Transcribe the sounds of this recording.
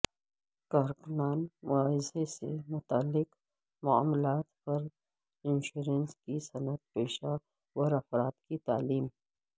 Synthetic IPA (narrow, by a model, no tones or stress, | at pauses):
kaːɾkʊnaːnmʊaːɦɪzesḛmʊt̪aːlːɪk | mʊa̰ːmlaːt̪pɐɾ | ɪ̃nʃuːɾənskisɐnət̪̚peːʃa | wɔɾɐfɾaːt̪kit̪a̰ːliːm